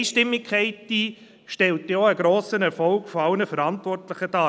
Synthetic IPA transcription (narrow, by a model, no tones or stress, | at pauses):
ʃtɪmːɪkʰχɛɪtiː | ʃtɛltiɔəɡ̥ɾoːsənɛɾfɔlɡ̥fɔaʊnəfəɾɑntvɔrtlɪχətɑː